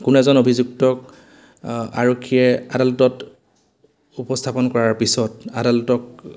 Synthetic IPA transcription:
kʊnɛzɔnobʱizuk̚tɔk | a̰ɹokʰːijɛa̰dalɔtɔt | upɔstʰapɔnkɔɹaɹpisɔtadalɔtɔk

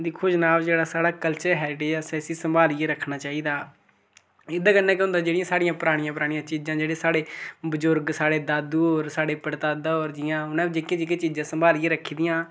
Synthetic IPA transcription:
d̪iːkʰʊʃnaːʋd͡ʒeːɽaːsaːɽaːkəlt͡ʃəɾɦɛːɾɪʈeːd͡ʒsɛːsiːsəmbaːlieɾəkʰːnaːt͡ʃaːiːd̪aː | ɪd̪aːkənːɛːkɦʊ̃nd̪aːd͡ʒeːɽɪjãːsaːɽɪjãːpɾaːɽ̃ɪjãːpəɾaːɽ̃ijãːt͡ʃiːd͡ʒãːd͡ʒeːɽeːsaːɽeːbəzʊɾɡsaːɽeːd̪aːd̪uːɾsaːɽeːpəɽt̪aːd̪aːoːɾd͡ʒɪjãːʊnãːd͡ʒeːkẽd͡ʒekẽːt͡ʃiːd͡ʒãːsəmbaːlieːɾəkʰiːd̪ɪjãː

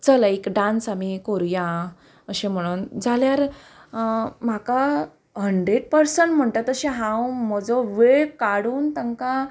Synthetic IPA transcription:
t͡sələekɖãnsamikoɾjã | əɕẽm̤əɽ̃uːnd͡zʱaljaɾ | m̤aka | ɦəɳɖɾeɽpəɾsəɳʈm̤əɳt̪at̪əɕẽɦãwm̤əd͡zɔʋeɭkaɽuːnt̪əŋka

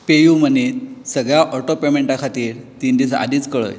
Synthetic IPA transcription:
pejumənit̪səɡɭjaʔɔʈopemeɳʈakʰat̪iːɾt̪ind̪isa̰d̪iːt͡skəɭə̰j

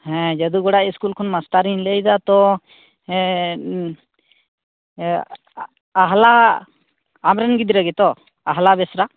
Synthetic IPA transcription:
hɛ̃d͡ʒəd̪uɡɔɽaʔiskulkʰɔnmasʈaɾiɲlɛjd̪at̪ɔ | ɦla | amɾɛnɡid̪ɾəɡɛt̪ɔ | aɦlabɛsɾa

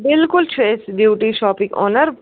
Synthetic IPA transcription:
bɪlkʊlt͡ʃʰeːsɖjuːʈiʃɔːpĩkɔ̰ːnəɾ

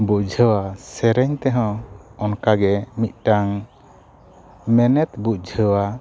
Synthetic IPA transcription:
buc̚d͡ʒʱəwasɛɾɛɲt̪ɛɦɔ̃ɔnkaɡɛmit̪̚ˀʈaŋ | mɛnɛt̪buc̚d͡ʒʱəwa

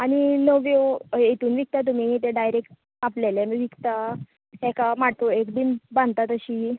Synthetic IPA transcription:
aɽ̃inəʋjojet̪uːnʋik̚t̪at̪̬um̤it̪eɖajɾekʈ | aplelemiʋikt̪a | ɦɛkamaʈ̪oekd̪imbãnd̪̚t̪at̪əɕiː

